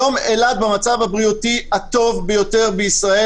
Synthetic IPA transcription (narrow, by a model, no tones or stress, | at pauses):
o̞melad̪̚bemat͡savhabʁiutihat̪o̞vbejo̞te̞ʁbeisʁae